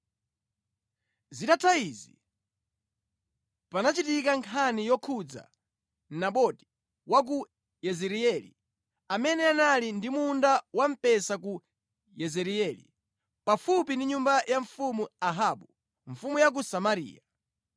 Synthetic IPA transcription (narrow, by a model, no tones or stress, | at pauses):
zitatʰaizḭ | panat͡ʃitikaŋkʰanijɔkʰud͡za̰ | naɓɔti̥ | wak̬u | jɛzɛɾiɛlḭ | amɛnɛanalindimundawam̩pɛsak̬u | jɛzɛɾiɛlḭ | pafupindiɲumbajaɱfumuaɦaɓu | ɱ̩fumujak̬usamaɾḭːja